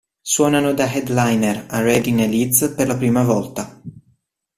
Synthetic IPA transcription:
swɔːnanod̪aɦɛd̪lajnerarɛd̪inelit̪sperlapɾiːmavɔlt̪a

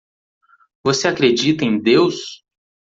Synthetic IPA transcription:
voseakɾed͡ʒit̪ɐẽj̃d̪ews

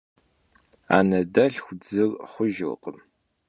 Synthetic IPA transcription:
a̰ːnɐdɐɬxʷd͡zɨrχʷʊʒɨqəm

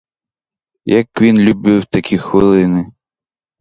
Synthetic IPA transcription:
jakʋʲinlʲubɨwt̪akʲʰixʋɨlˠɪnɨ

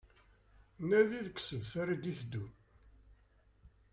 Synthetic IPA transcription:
næðiðəksəvθæɾid̪iθd̪ːu

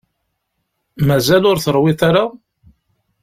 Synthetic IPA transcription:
mæzælʊɾθəɾˤwɪt̪aɾa

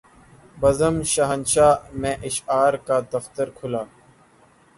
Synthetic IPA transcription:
bəzəmʃaɦənʃaːmẽːʔɪʃaːɾkaːd̪ɐft̪əɾkʰʊlaː

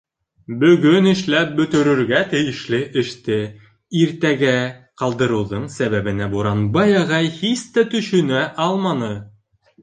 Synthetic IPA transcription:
bɵ̆ɡɵnɘ̆ʃlæp̚bɵ̆t̪ɵ̆ɾɵ̆ɾɡæt̪ɘ̆jɘ̆ʃlɘʔɘ̆ʃt̪ɘ | iɾt̪æɡæqɑlˠd̪ɤ̆ɾɤ̆wðɤɴsæβæβɘ̆næbuɾɑnbɑjɑʁɑjhist̪æt̪ɵ̆ʃɵ̆næʔɑlˠmɑnɤ

